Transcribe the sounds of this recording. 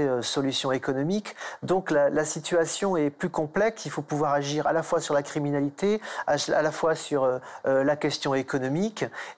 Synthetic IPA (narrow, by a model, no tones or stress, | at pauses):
øsɔlysjɔ̃ekɔnɔmikd̪ɔ̃klalasit̪ɥasjɔ̃ɛplykɔ̃plɛksilfopuvwaʁaʒiʁa̰lafwasyʁlakχiminalit̪eaa̰lafwasyʁøølakʲɛst̪jɔ̃ekɔnɔmik